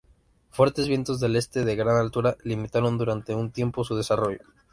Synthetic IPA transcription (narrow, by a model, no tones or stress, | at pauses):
fwe̞ɾt̪e̞zβje̞nt̪o̞zðe̞le̞st̪e̞ðe̞ɣɾanalt̪uɾalimit̪aɾo̞nd̪uɾant̪e̞unt̪je̞mpo̞suð̞e̞saro̞ʝo